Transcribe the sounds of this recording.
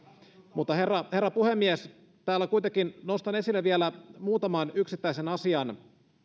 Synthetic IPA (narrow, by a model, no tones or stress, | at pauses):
mut̪ːɑherːɑhe̞rːɑpuhemːies | t̪æːlːækuijt̪ekinnost̪ɑne̞silːeʋielæmuːt̪ɑmɑnyksit̪ːæisenɑsiɑn